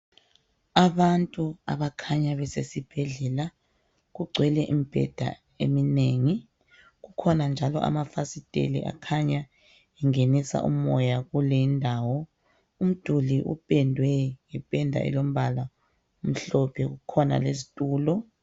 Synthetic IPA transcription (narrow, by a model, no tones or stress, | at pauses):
aβantʼua̰βakʰaɲaβɛsesib̥ʱɛɮɛla | ɣuɡ͡ǀʱwɛlɛʔimib̥ʱɛ̰d̥ʱa̰ | ḛmineːŋi | ɣukʰɔnand͡ʒʱalɔʔa̰mafasitʼḛlḭʔa̰kʰaɲa | ɛŋenisa̰ʔumɔjaɣulɛindʱaːwɔ | um̩d̥ʱuliʔṵpʼɛndʱwɛŋɛpʼɛndʱa̰ʔɛ̰lom̩βala | um̩ɬɔpʰɛɣukʰɔna̰lezitʼuːlɔ